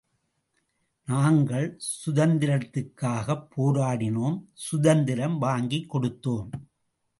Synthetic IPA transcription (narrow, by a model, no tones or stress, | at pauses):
naːŋɡɐɭsʊðɐnd̪ɪɾɐt̪ːɯkːaːɣɐpːoːɾaːɽɪnoːmsʊðɐnd̪ɪɾɐmʋaːŋɡikːɔɽɯt̪ːoːm